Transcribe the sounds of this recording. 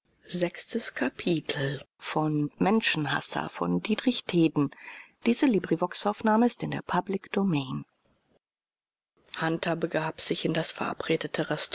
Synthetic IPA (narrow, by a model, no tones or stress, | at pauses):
zɛkstəskʰapʰiːtʰl̩ | fɔnmɛnʃn̩ɦa̰sɐ̰fɔ̰ndiːdʁɪçtʰeːdn̩d̥iːzəliːbʁivɔksaʊfnaːməɪstɪndeːɐpʰablɪkd̥omɛːn | hantʰɐbəɡaːpz̥ɪçɪndasfɛɐʔa̰pʁ̥eːdətʰəʁɛst